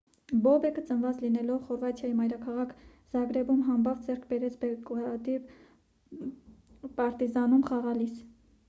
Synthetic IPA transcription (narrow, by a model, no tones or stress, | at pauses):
bɔbɛkət͡sənvɑt͡slinɛlɔvχɔɾvɑt̪ʰjɑjimɑjɾɑkʰɑʁɑkʰ | z̥ɑɡɾɛbumɦɑmbɑvd͡zɛrkʰbɛɾɛt͡sʰbɛkɑt̪iv | pɑɾt̪izɑnumχɑʁɑlis